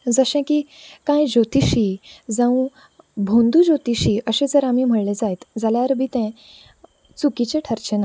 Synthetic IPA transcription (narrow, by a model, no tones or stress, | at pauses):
d͡zəɕɛ̃kiːkãjd͡ʑot̪iɕid͡zãũ | bʱõnd̪ud͡ʑot̪iɕiːəɕẽd͡zəɾam̤iːm̤əɽled͡zajt̪d͡zaljaəɾbʱit̪ɛ̃ | t͡sukit͡ɕeʈʰəɾt͡ɕena